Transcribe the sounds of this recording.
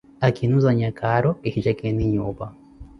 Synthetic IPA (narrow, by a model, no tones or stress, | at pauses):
akinuzaɲakʰaɾoehid͡ʒakeniɲuːβa